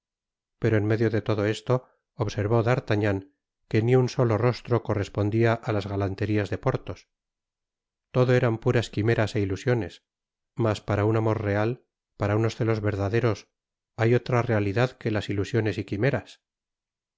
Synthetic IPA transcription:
pe̞ɾoenme̞ðjoðe̞t̪o̞ðo̞e̞st̪o̞ː | βse̞ɾβo̞ðaɾt̪aɲaŋ | ke̞niunso̞lo̞ro̞st̪ɾo̞ko̞re̞spo̞nd̪iaʔalazɣalant̪e̞ɾiazðe̞po̞ɾt̪o̞s | t̪o̞ðo̞e̞ɾampuɾaskime̞ɾase̞ilusjo̞ne̞s | maspaɾaunamo̞ɾre̞al | paɾauno̞sθe̞lo̞zβe̞ɾðaðe̞ɾo̞s | ajo̞t̪ɾare̞aliðaðke̞lasilusjo̞ne̞sikime̞ɾas

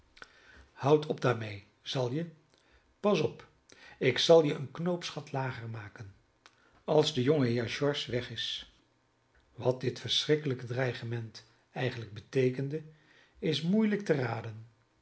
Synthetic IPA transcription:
hʌwtʰɔb̚daːɹmej | z̥ɑlˠjə | pɑsɔp | ɪksɑlˠjəʔənknowpsχɑtlaːχəɹmaːkən | ɑlˠzdəjoŋəɦɪːɹʒɔɹsʋɛχɪs | ʋɑt̚dɪtfəɹsrɪkələkədrɛjχəmɛnt | ɛjχənləɡ̚bətejkəndə | ɪsmujlək̚təraːdən

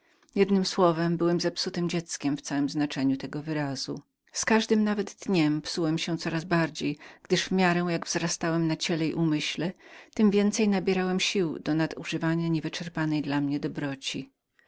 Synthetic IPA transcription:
jɛd̪nɘmswɔvɛmbɘwɛmzapsut̪ɘmd͡ʑɛt̪skʲɛmft̪sawɛmznat͡ʂɛɲut̪ɛɡɔvɘɾazṵ | skaʐd̪ɘmnavɛd̪ːɲɛmpsuwɛmɕɛt̪sɔɾazbaɾd͡ʑejɡ̥d̪ɘʐvmʲjaɾɛw̃jaɡvzɾast̪awɛmnat͡ɕɛlɛḭʔumɘɕlɛt̪ɘmvʲjɛnt̪sɛjnabʲjɛɾawɛmɕiwd̪ɔnad̪ṵʐɘvaɲaɲɛvɘt͡ʂɛɾpanɛjd̪lamɲɛd̪ɔbɾɔt͡ɕi

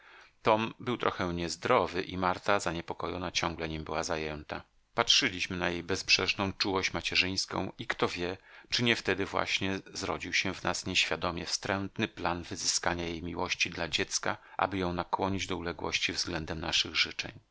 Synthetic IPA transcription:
t̪ɔmbɘwt̪ɾʔɔxɛɲɛzd̪ɾɔvɘʔimaɾt̪azaɲɛpɔkɔjɔnat͡ɕɔ̃ŋɡlɛɲimbɘwazajɛnt̪a | patʂɘlʲiɕmɘnajejbɛspʂɛʂnɔ̃w̃t͡ʂuwɔɕt͡ɕmat͡ɕɛʐɘj̃skɔ̰̃w̃ikt̪ɔvʲjɛt͡ʂɘɲɛft̪ɛd̪ɘvwa̰ɕɲɛzɾɔd͡ʑiwɕɛvnasɲeɕfʲjad̪ɔmʲɛfst̪ɾɛnt̪nɘplanvɘzɘskaɲajejmʲiwɔɕt͡ɕid̪lad͡ʑɛt̪skaʔa̰bɘjɔ̃w̃nakwɔɲid͡ʑd̪ɔulɛɡwɔ̰ɕt͡ɕivzɡlɛnd̪ɛmna̰ʂɘɣʐɘt͡ʂɛ̰ɲ

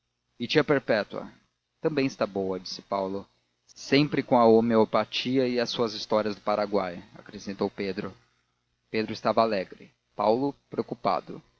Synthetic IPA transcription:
ɪt͡ʃiɐpeɾpɛt̪uɐ̰ | t̪ɐ̃bẽj̃ɪst̪abowɐd͡ʒi̥sɪ̥pawlʊ | sẽpɾɪkõɐomeopat͡ʃiɐɪɐsuɐzist̪ɔɾiɐzd̪ʊpaɾaɡwaja̰kɾesẽnt̪owped̪ɾʊ | ped̪ɾʊɪst̪avɐalɛɡɾɪ̰ | pawlʊpɾeokupa̰d̪ʊ̰

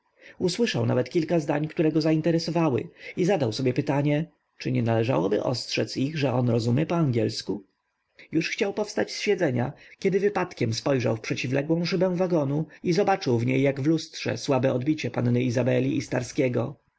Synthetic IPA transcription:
uswɘʂawna̰vɛt̪kʲilkazd̪aɲkt̪uɾɛɡɔzaint̪ɛɾɛsɔvawɘ̰izad̪awsɔbʲjɛpɘt̪aɲɛ | t͡ʂɘɲɛnalɛʐa̰wɔbɘ̰ʔɔ̰stʂɛt̪siɣʐɛɔnɾɔzumjɛpɔaŋɡʲɛlsku | juʂxt͡ɕawpɔfst̪at͡ɕsfʲɛd̪zɛɲakʲɛd̪ɘvɘpat̪kʲɛmspɔjʐa̰wfpʂɛt͡ɕivlɛɡwɔ̃w̃ʂɘbɛ̃w̃vaɡɔnuizɔbat͡ʂɘwvɲejːaɡvlustʂɛ̰swabɛɔd̪bʲit͡ɕɛpanːɘizabɛlʲiːst̪aɾskʲɛɡɔ

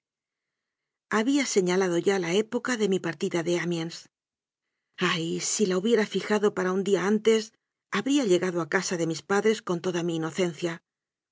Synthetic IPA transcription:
aβiase̞ɲalaðo̞ʝalae̞po̞kaðe̞mipaɾt̪iðaðe̞amjans | ajsilauβje̞ɾafixaðo̞paɾaund̪iaant̪e̞s | aβɾiaʎe̞ɣaðoakasaðe̞mispaðɾe̞sko̞nt̪o̞ðamiːno̞θe̞nθja

